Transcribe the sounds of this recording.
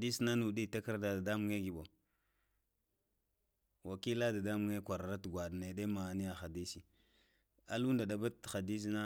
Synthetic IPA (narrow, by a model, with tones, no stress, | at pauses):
di˦sna˦nu˨di˦˨ta˦ka˦ɾda˨da˨da˦mu˦ŋe˦ɡi˨ɓo˨ | wa˨ki˦la˦da˨da˦mu˨˦ŋe˦kʷa˨ɾa˨ɾa˦tɡʷa˨dne˨de˦ma˨ni˦ja˨xa˨di˦si˨ | a̰˨lu˦nda˨da˨ba˦˨xa˨di˦s̬na˦